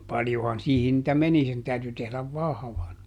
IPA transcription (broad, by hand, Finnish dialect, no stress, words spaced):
pɑljohɑn siːhin nĭtæ meni sen tæyty tehlæʋ ʋɑhɑ̆ʋɑn